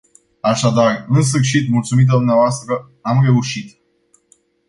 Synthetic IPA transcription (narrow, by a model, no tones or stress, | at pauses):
aʃad̪arɨns̬ɨrʃit̪mult̪sumit̪̬ad̪umneavoast̪ɾə | amre̞uʃit̪